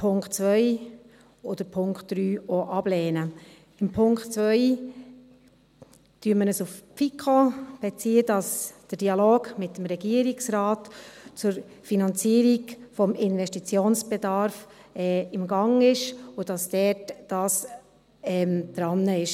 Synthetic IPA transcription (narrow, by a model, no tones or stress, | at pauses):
pʰʊŋkt͡sʋœʏ | ɔd̥̪əɾpʰʊŋktd̥ɾyːɔʔɑb̥lɛːnə | ɪmpʰʊŋktt͡sʋœʏ | tyəmənəsufpfikʰχob̥ɛt͡siːəd̥ɑsd̥əd̥iɑloːɡmɪtːəmɾɛɡiəɾiksɾɑːtt͡sʊɾ | finɑnt͡siəɾiɡfɔmɪnʋɛʃtit͡sjoːnsb̥edɑɾf | ɛːɪmɡɑŋɪʃʊd̥ɑsd̥ɛtd̥ɑːs | ɛːmd̥ɾɑnːəɪʃ